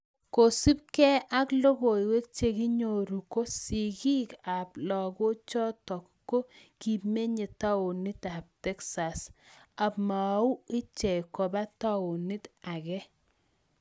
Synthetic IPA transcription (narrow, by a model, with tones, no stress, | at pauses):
ko˨si˦p̚kɛ˦a˦klo˦ɡo˨i˨we˦k̚t͡ʃe˦ki˦ɲo˨ɾu˨ko˦si˨ki˦ka˨plɔ˨ɡo˦t͡ʃɔ˦tɔ˨kkːo˦ki˨me˦ɲe˨ta˦o˨ni˦ta˨p̚tɛ˦ksa˨sa˨pma˨ʊ˦ɪ˦t͡ʃɛ˨kɔ˨ba˦ta˦o˨ni˦ta˨kɛ˦